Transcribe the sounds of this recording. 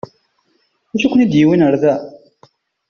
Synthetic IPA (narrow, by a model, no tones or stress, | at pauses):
uʃikʷːnid̪jiwinəɾðæ